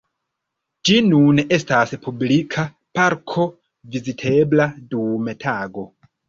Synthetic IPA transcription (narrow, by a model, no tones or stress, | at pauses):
d͡ʒinune̞staspʰublikʰa | paɾkʰo̞ | vizitʰe̞bladumetʰaːɡo̞